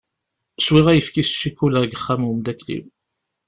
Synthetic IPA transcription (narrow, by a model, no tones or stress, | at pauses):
swiʁæjəfkisʃːikuləʁɡəχːæmwumd̪æklḭw